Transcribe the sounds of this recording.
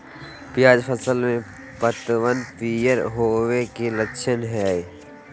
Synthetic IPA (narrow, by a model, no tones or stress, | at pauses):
pɪjaːd͡ʒpʰəsəlmẽ | pət̪ʋənpijəɾɦoːʋekeləkʃʰənɦɛː